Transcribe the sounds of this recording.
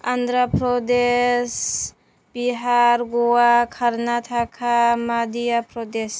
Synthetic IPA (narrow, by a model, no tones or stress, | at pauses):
and̪ɾapɾɔd̪es | biɦaɾɡɔwakʰaɾnat̪ʰakʰamad̪ijapɾɔd̪es